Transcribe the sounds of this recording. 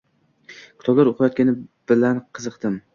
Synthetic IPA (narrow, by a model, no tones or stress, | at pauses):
kʲʰʊ̥t̪ʰɒblˠaɾʊqʰjɒt̪̚ʲanɪb̥ɪlanqʰɨzɨqt̪ɪm